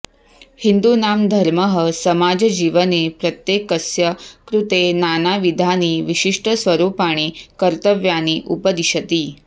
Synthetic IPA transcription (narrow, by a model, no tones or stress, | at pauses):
hind̪unamd̪ʱəɾməɦəsəmad͡zd͡ʑiʋənepɾət̪jekəsjəkɾut̪enanaʋid̪ʱaniːʋiɕiʂʈəsʋəɾupaɽ̃iːkəɾt̪əʋjaniːʔupəd̪iɕət̪iː